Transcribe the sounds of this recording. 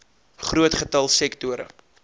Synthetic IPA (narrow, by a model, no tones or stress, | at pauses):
χruətχətɐlˠsɛktuəɾə̰